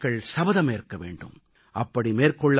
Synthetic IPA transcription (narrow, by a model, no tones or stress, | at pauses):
ɣɐɭsɐbɐðɐmeːɾkːɐʋḛːɳɖɯ̰m | ʔɐpːɐɽimeːrkɔɭːɐ